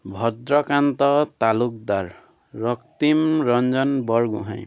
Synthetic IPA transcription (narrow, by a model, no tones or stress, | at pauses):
bʱʌd̪ɾʌkant̪ʌt̪aluk̚d̪aɾː | ʌkt̪imɾʌnd͡zʌnbʌɾɡṵɦã̰j̃